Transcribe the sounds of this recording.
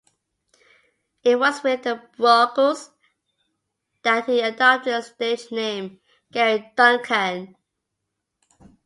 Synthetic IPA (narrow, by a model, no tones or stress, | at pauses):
ɪt̚wʌzwɪðəɹɔkəz | ðət̚hiədɔp̚tɪdsted͡ʒnẽɪ̃m | ɡ̥ɛɹidʌ̃ŋkʰə̃n